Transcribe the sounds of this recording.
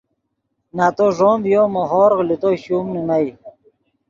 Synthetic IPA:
naːt̪oʐoːmbjomoɦoːɾɣlit̪oɕuːmninaj

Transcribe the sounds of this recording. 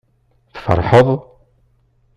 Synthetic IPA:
θfə̰ɾˤħəðˤ

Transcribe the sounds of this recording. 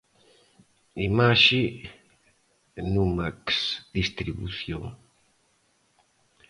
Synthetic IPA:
imaʃi | numaksd̪ist̪ɾiβṵθjoŋ

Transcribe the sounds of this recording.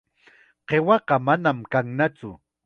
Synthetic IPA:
ɢewɑqɑmanamkaŋnat͡sʊ̰

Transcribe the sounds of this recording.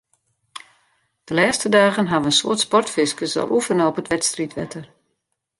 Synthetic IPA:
d̥əlɛːstədaːɣənɦaʋəənso̰ətspɔrtfɪskəsɔ̰lˠuvənoːpətʋɛtstritʋɛ̰tʰər

